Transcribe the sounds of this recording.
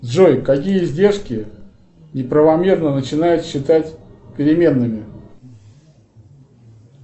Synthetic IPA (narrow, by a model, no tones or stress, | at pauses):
d̪ʐojkɐk̬ʲijəzʲdʲe̞rʂkʲɪ | nʲɪpɾəvɐmʲe̞rnənət͡ɕɪnajʊt̪ɕːɪt̪atʲpʲɪɾʲɪmʲe̞nːɨmʲɪ